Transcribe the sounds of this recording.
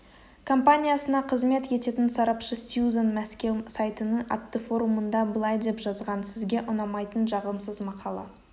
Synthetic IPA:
kʰo̞mpanʲijasənɑqʰəzme̞t̪je̞t̪e̞t̪ɪnsɑɾɑpʃəsjuzonmæskʲe̞wsajt̪ənəʔa̰t̪ːəfo̞ɾumənd̪ɑbəlˠɑjd̪epʒɑzʁɑnsɪzɡʲe̞ʔʊnɑmɑjt̪ənʒɑʁəmsəzmɑqʰɑlˠɑ̰

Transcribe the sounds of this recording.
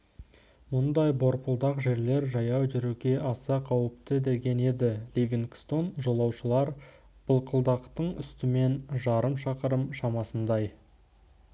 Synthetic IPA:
mʊnd̪ɑjbo̞ɾpəlˠd̪ɑqʒe̞ɾle̞ɾʒɑjɑwʒʏɾuɡʲe̞ʔɑsɑqʰɑwəp̚t̪əd̪e̞ɡʲe̞ne̞d̪ɪlʲivʲiŋkst̪o̞nʒo̞lˠɑwʃəlˠɑɾ | b̥əlˠqʰəlˠd̪ɑqt̪əɴʏ̰st̪ɪme̞nʒɑɾəmʃɑqəɾəmʃɑmɑsənd̪ɑj

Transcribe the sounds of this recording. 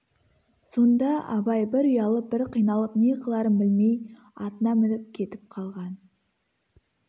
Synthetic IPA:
so̞nd̪ɑɑbɑjbɪɾʊjɑlˠəpb̥ɪɾqʰijnɑlˠəp̚niqʰəlˠɑɾənbɪlme̞j | ɑt̪ənɑmɪnɪp̚kʲʰe̞t̪ɪp̚qʰɑlˠʁɑn

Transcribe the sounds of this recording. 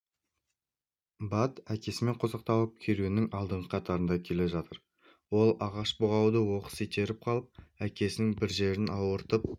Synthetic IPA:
bɑt̪ækʲe̞sɪme̞ɴqʰozɑqt̪ɑwəp̚kʲʰeɾunɪŋɑlˠd̪əɴqəqʰɑt̪ɑɾənd̪ɑkʲʰe̞le̞ʒɑt̪əɾ | wo̞lˠɑʁɑʃboʁɑwd̪əwo̞qə̥set̪ʰe̞ɾɪp̚qʰɑlˠəp̚ækʲe̞sɪnɪŋbɪɾʒe̞ɾɪnɑwəɾt̪əp̚

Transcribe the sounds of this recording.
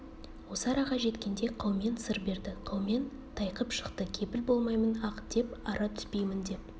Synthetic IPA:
wo̞səɑɾɑʁɑʒe̞t̪kʲe̞nd̪e̞qʰɑwme̞nsəɾbe̞ɾd̪ɪqʰɑwme̞n | t̪ʰɑjqəpʃə̥qt̪əkʲʰe̞pɪlbo̞lˠmɑjmənɑqd̪̥e̞pɑɾʔɑt̪ʰʏ̥spe̞jmɪnd̪e̞p̚

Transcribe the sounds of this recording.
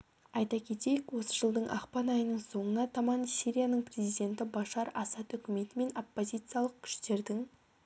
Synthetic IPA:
ɑjt̪ɑkʲʰe̞t̪e̞jɪkwo̞səʒəlˠd̪əɴʔɑ̰qpɑnɑjənəɴso̞ɴənɑt̪ʰɑmɑnsʲiɾʲijanəɴpʰre̞zʲijd̪ʲe̞nt̪ɪbɑʃɑɾɑsɑt̪ʏkʲɪme̞t̪ɪme̞nopːo̞zʲijt̪sɨjalˠəq̚kʲʰʏ̥ʃt̪e̞ɾd̪ɪŋ

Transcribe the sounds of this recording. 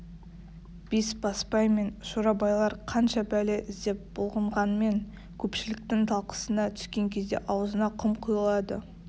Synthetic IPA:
b̥isbɑspɑjme̞nʃoɾɑbɑjlˠɑɾqʰɑnʃɑbælɪʔɪzd̪e̞p̚b̥olˠʁəɴʁɑnəme̞ŋ | kʲʰɵpʃɪlɪk̚t̪ɪŋt̪ʰɑlˠqə̥sənɑt̪ʰʏ̥skʲe̞ŋkʲʰe̞zd̪ḛʔɑwəzənɑqʰəmqʰujəlˠɑd̪ə̰

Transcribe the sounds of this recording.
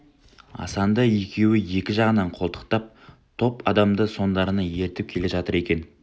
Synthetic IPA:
ɑ̰sɑnd̪əikʲʰe̞wɪje̞kʲɪʒɑʁənɑɴqʰo̞lˠt̪ə̥qt̪ɑp̚ | t̪ʰo̞pɑd̪ɑmd̪əso̞nd̪ɑɾənɑje̞ɾt̪ɪp̚kʲʰele̞ʒɑt̪əɾe̞kʲe̞n

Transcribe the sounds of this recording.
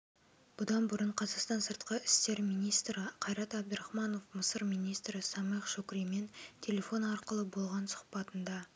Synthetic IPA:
b̥ʊd̪ɑnbʊɾəɴqʰɑzɑqst̪ɑnsəɾt̪̚qəɪst̪e̞ɾmijnijst̪ɾəqʰɑjɾɑt̪ɑb̚d̪əɾɑχmɑno̞fməsəɾmijnijst̪ɾɪsɑmeqʃokɾijme̞nt̪ʲʰe̞lʲe̞fo̞nɑɾqəlˠəbo̞lˠʁɑnsʊ̥qpɑt̪ənd̪ɑ

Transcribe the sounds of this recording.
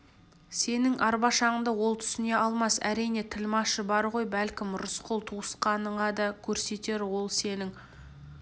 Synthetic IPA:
se̞nɪŋʔɑɾbɑʃɑəɴd̪əwo̞lˠt̪ʰʏ̥sɪne̞ʔɑlˠmɑsæ̰ɾijne̞t̪ʰɪlmɑʃəbɑɾʁo̞jbælkʲɪmɾʊsqʰʊlˠt̪ʰuəsqɑnəɴʁɑd̪ɑkʲʰɵɾse̞t̪e̞ɾwo̞lˠse̞nɪŋ

